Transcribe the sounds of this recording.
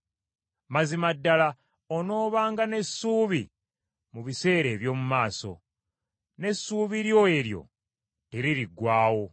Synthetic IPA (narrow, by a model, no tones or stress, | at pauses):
mazimadːala | ono̞ːβaːŋɡane̞sːuːβi | muβise̞ːɾe̞ːβjo̞ːmumaːso̞̰ | ne̞sːuːβiɾjo̞e̞ɾjo̞̰ | teɾiɾiɡwaːwo̞